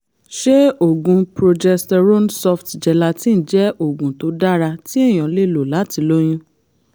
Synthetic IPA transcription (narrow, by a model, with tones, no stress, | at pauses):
ʃe˦o˨ɡũ˧pɾo˧d͡ʒɛ˧stɛ˧ɾo˦nsɔ˧ftd͡ʒɛ˨la˧tĩ˦n̩˨d͡ʒɛ˦ʔo˨ɡũ˨to˨˦da˦˨ɾa˧ti˦e˦˨j̃ɔ̃˨˦le˦˨lo˨la˨˦ti˧˦lo˦j̃ũ˦